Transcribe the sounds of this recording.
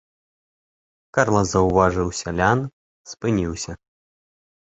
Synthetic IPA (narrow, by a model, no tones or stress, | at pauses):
karlˠɐzɐwvaʐɨwsʲalʲan | spɨnʲiwsʲɐ